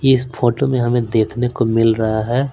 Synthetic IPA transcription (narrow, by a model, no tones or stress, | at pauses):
ɪspʰoːʈomẽɦɐmẽd̪eːkʰnekomɪlɾɐɦaɦɛː